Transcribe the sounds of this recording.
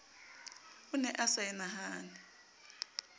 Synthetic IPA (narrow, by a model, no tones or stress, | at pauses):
unɛʔasaɛnaɦaːnɛ